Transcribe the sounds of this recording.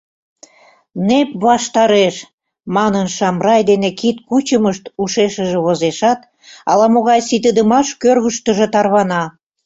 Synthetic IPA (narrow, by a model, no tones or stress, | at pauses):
nep̚βɑʃt̪ɑɾeʃ | mɑnənʃɑmrɑjd̪enekit̪kut͡ɕəməʃt̪uʃeʃəʒĕβozeʃɑt̪ | ɑ̰lɑmoɣɑjsit̪̬əd̪əmɑʃkørɣəʃt̪əʒĕt̪ɑrβɑnɑ